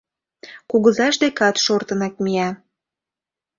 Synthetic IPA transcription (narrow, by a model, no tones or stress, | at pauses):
kuɣəzɑʃd̪ekɑt̪ʃort̪ənɑk̚miɑ